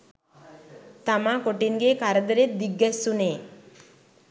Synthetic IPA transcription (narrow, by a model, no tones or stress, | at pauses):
t̪amakoʈinɡekaɾəd̪əɾet̪̚d̪iɡːassune